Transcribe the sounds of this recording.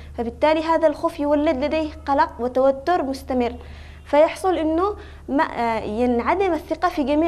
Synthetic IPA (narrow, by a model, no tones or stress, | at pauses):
fabɪt̪ːaːliɦaːðalxoːfjɪwalːɪd̪lad̪eːhqɑlɑqwɪt̪awat̪ːʊɾmʊst̪amɪrː | fajɑħsˤʊlʔɪnːʊ | ma̰jɪnʕad̪ɪmaθːɪqɑfiɡamiː